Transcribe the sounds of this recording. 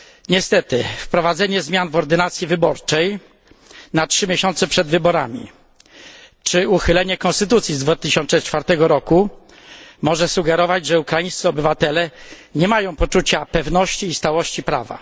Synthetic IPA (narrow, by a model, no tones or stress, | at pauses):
ɲɛst̪ɛt̪ɘfpɾɔvad̪zɛɲɛzmʲjanvɔɾd̪ɘnat̪sʲjivɘbɔɾt͡ʂɛj | natʂɘmʲjɛɕɔnt̪sɛpʂɛd̪vɘbɔɾamʲḭ | t͡ʂɘuxɘlɛɲɛkɔ̃nst̪ɘt̪ut̪sʲizd̪vat̪ɘɕɔnʂɛt͡ʂfaɾt̪ɛɡɔɾɔku | mɔʐɛsuɡɛɾɔvad͡ʑʐɛukɾajĩst̪ɨɔbɘvat̪ɛlɛɲɛmajɔ̃w̃pɔt͡ʂut͡ɕapɛvnɔɕt͡ɕiːst̪awɔɕt͡ɕipɾa̰va̰